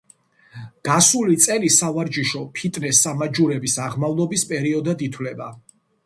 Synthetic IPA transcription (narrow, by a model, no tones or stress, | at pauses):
ɡ̥asulit̪sʼɛlisavaɾd͡ʒiʃɔpʰit̪ʼnɛsːamad͡ʒuɾɛbisaʁmavlˠɔbispʼɛɾiɔd̪ad̪it̪ʰwlɛba